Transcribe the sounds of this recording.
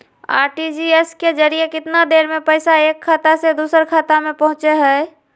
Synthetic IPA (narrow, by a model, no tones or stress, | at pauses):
a̰ːɾʈid͡ʒiesked͡ʒəɾiekɪt̪nad̪eːɾmẽpəɪsaeːkʰːaːt̪ased̪uːsəɾkʰaːt̪amẽpəɦʊ̃t͡ʃeɦɛɪ